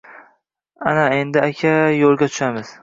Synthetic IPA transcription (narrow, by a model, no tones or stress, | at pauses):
anae̞nd̪ɪakʲʰajolˠɡʲat̪ʰʊ̥ʃamɪz̥